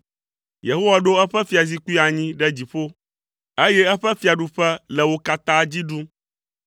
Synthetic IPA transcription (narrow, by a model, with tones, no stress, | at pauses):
je˨ɦo˦wa˨ɖo˦ɛ˦ɸɛ˦fi˦a˨zi˦ku˦i˦a˨ɲĩ˦ɖɛ˦d͡ʑi˨ɸo˦ | e˦jɛ˦ɛ˦ɸɛ˦fi˦a˨ɖu˦ɸɛ˦lɛ˨wo˦ka˦t̪a˦d͡ʑi˦ɖu˦